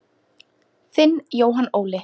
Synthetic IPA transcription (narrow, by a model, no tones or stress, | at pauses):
θɪnːjoːwɦanːoːwlɪ